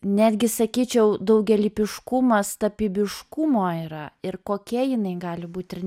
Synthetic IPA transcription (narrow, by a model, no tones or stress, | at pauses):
nʲæːd̪ʲɡʲɪsɐkʲiːt͡ʃʲɛʊd̪ɐʊɡʲɛlʲiːpʲɪʃkʊmɐst̪ɐpʲiːbʲɪʃkʊmoːiːɾɐɪɾkoːkʲiɛjɪnɐɪɡɑːlʲɪbuːt̪ʲɪrʲ